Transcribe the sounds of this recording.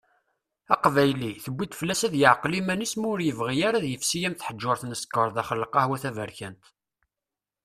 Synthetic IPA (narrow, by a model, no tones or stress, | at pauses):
æqvæjliθəbʷːit̪flːæsæðjəʕqlimænismʊɾjəvʁijaɾaðjəfsijæmθħəd͡ʒːʊɾθnəskəɾˤðæχəlːəqɑhwæθævəɾçænt̪